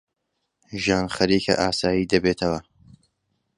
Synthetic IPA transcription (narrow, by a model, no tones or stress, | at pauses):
ʒaːnxɐɾiːkʰɐ̰ʔaːsaːjiːd̪ɐbet̪ʰɐwɐ